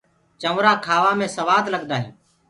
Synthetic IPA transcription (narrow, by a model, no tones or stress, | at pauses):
t͡ʃəmɾaːkʰaːʋaːmẽːsəʋaːd̪ləɡd̪aːɦḭː